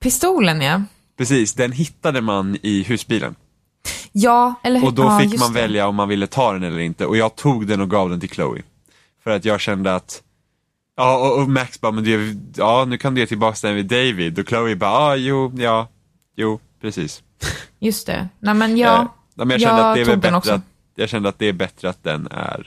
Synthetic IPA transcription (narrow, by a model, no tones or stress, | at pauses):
pʰɪst̪uːləna | pʰɾɛsiːsd̪ɛnɦɪt̪ːad̪əmanɪɦʉ̟ːsbiːlə̰n | jɑːɛlːəɔd̪ɔfɪkːmanvɛljaɔmːanvɪlːət̪ʰɑːd̪ɛnɛlːəɾɪnt̪əʔɔjɑːɡ̚t̪ʰuːɡd̪ɛnɔɡɑːvd̪ɛnt̪ʰɪlkʰlə̰ʊɪ̰ | fœɾat̪jɑːɡɕɛnd̪əat̪ | ɑːɔɔmæksbɑːmɛnd̪ɵæɑːnʉ̟ːkʰand̪ɵjeːt̪ʰɪlbɑːksd̪ɛvɪd̪ɛjvɪd̪ɔkʰləʊɪbɑːɑːjuːjɑː | juːpʰɾɛsiːs | jɵst̪ɛ̰nɛmɛn | nɛːmɛnjɑʃɛnəad̪ɛɛbɛnɔkɾa | jɑːɡɕɛnd̪əat̪̚d̪ɛæɾbɛt̪ɾəat̪̚d̪ɛ̰næ̰ɾ